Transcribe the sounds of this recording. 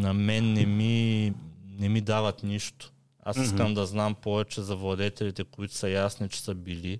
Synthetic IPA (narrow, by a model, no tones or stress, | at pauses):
nɐmɛnːɛmi | nɛmid̪avɐt̪niʃt̪o̥ | a̰siskəmd̪ɐznampɔvɛt͡ʃɛzɐvlˠɐd̪ɛt̪ɛlit̪ɛkoit̪ʊ̥sɐjasnit͡ʃɛ̥səbili